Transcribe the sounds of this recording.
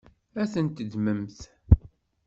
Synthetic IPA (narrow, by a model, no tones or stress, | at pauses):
æθənt̪əd̪məmθ